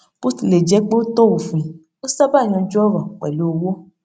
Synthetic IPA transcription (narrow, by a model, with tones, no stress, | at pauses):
pu˦ti˨le˨d͡ʒɛ˨˦k͡po˦to˦o˨fũ˨ | o˦sa˦ba˦˨ɲ̃ɔ̃˧d͡ʒu˦ɔ˦ɾɔ̃˨k͡pɛ˨lo˨˦˧wo˦